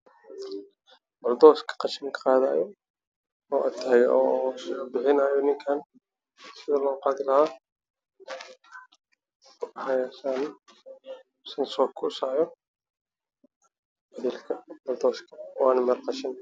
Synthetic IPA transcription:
bɐld̪ɔːskʰɐ̥qɑʃɪŋkʰɐ̥qɑːða̰ːjɔ | ɔːʔɐt̪ʰaːɣɔbɪħɪnaːjɔnɪŋkʰaːn | sɪðɐlɔqɑːd̪ɪlɐhaː | hajaːʃaːn | sɐnsɔːkʰʊsaːʕjɔ | bɐðiːlkʰɐbɐld̪ɔːskʰɐwɑːnɐmɐrqɑʃɪn

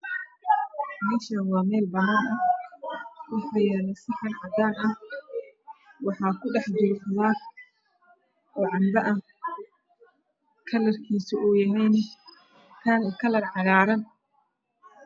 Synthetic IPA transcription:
mɛːʃɐnwɑːmɛːlbɐnɐnɐ | wʊħɐjaːnɐsɪħɐnʕɑd̪aːnɐ | wɑħɑːkʰʊɖɑħd̪uːɾfɐðaː | ʔɔːʕɑmbɐʔɐ | kʰɐlɐrkʰiːsʊuːjɐɦɛjnɪ | t̪ʰaːnkʰɐlɐrʕɑɣaːɾɐn

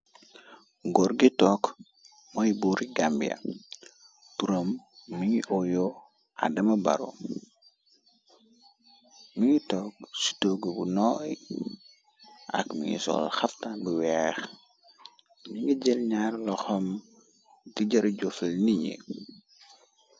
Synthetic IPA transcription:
ɡɔɾɡitɔk | mɔjbuɾiɡambḭjɐ̰ | tuɾomː | iɲiʔɔjɔ | ʔa̰dɐmɐbɐ̰ɾɔ̰ | miɲitɔk̚si̥toɡəbunɔːj | ʔɐ̰kmḭŋḭsɔ̰lxɐftabiwɛːx | niŋɡiɟɛlɲaːrlɔxɔm | tiɟɐɾɟɔfɛlniɲḛ

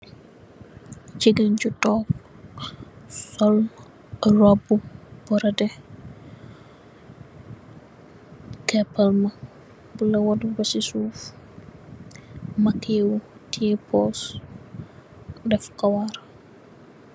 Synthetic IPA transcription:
t͡ʃiɡɐnɟutɔːk̚ | sɔl | rɔbːub̥ɔɾɐdɛ | kɛpːɐlmɐ | bulɐwɔdubɐsisuːf | mɐkːeːwutʰiɛpʰɔs | dɛfkɐwaɾ

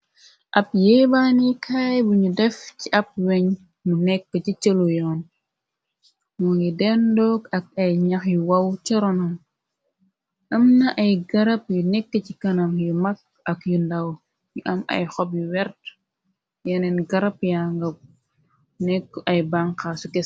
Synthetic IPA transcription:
ʔɐp̚jɛbaːnikʰaːjbuɲudɛfciʔɐp̚wɛɲ | munɛkːəcit͡ʃəlujɔːn | mɔŋɡidɛndɔɡɐk̚ɐjɲɐxjuwɐwt͡ʃɔɾɔnɐm | ʔɐmnɐʔɐjɡɐɾɐpjunɛkːəcikɐnɐmjumɐk̚ | ɐkjundɐw | juʔɐmɐ̰jxɔp̚juwɛɾt | jɛnɛnɡɐɾɐpjaŋɡɐp̚ | nɛkːʔɐjbaŋkasukɛ

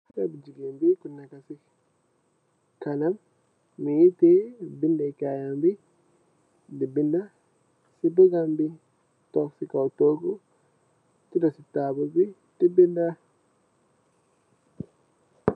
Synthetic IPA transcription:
hakabid͡ʒiɡimbikunːakasi | kanamː | ijitebindakajambi | dibinda | sibuɡambi | tɔksikawtoɡu | tidɔsitabubi | d̥ibinda

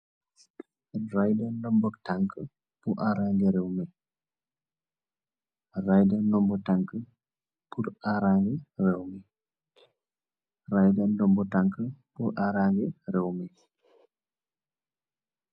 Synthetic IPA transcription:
rajdandɔmbɔtaŋkə | puʔaɾaŋɡɛɾɛwmi | rajdɛnːdɔmbɔtaŋkə | puɾaɾaŋɡɛrɛwmi | rajdandɔmbɔtaŋkəpuʔaɾaŋɡɛrɛwmi

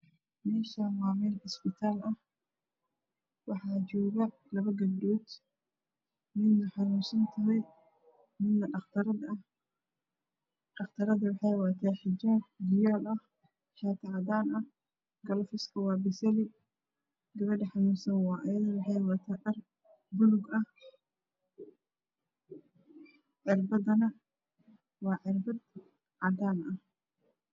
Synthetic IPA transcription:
mɛːʃamaːmɛːlħɪsbɪt̪ʰaːlɐh | wɑħɑːt͡ʃɔːɣɐ | lɐβɐɡɐbduːd̪ | mɪd̪nɐħɑnusɐnt̪ʰɐɦɛj | mɪd̪ːɐɖɐχt̪ʰɐɾɐ | ɖɐχt̪ʰɐɾɐðɐwɑħɑjwɑt̪ʰaːħɪd͡ʒɐd͡ʒɪjaːlʔɐh | ħɛːt̪ʰɐʕɑd̪aːnɐ | ɡɐlɐfɪskʰɐwɑːbɪsɐlɪ | ɡɐβɐɖɐħɑnuːsɐnwɑːʔɐjɐðwɑħɑjwɑːt̪ʰaːɗɐr | bʊlʊɡɐh | ʕɪrbɐd̪ɐnɐ | wɑːʕɪrbɐd̪ | ʕɑd̪aːnɐh

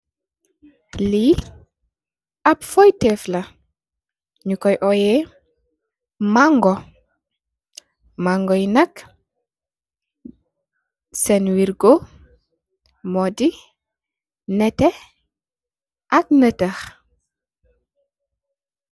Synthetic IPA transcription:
li | ʔɐpfɔjtɛflɐ | ɲukɔjʔɔjɛ | maŋɡɔ | maŋɡɔjnɐk | sɛnwiɾɡo | mɔdi | nɛtɛ | ʔɐk̚nətɐx

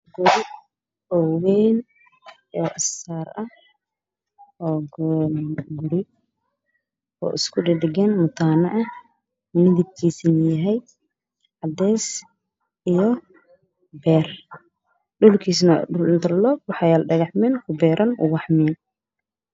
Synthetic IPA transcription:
ɡʊɾɪ | ɔːwɛːn | ɔːʔɐsaːrɐh | ɔː | ɡʊɽɪ | ɔ̰ːʔɪskʰʊɖɪɖɪɡɛːnmʊt̪ʰaːnɐʔɐ | mɪðɪb̚kʰiːsɪnɪjɐɦɛjd̪ | ʕɑd̪ɛːs | ʔijɔ | bɛːr | ɖʊlkʰiːs̬nɐɖʊlɪnt̪ʰɐrlɔːb̚wɑħɑjalɖɐɣɑħmɛːnkʰʊbɛːɾʔɐnʔʊ̰wɑħmɛn

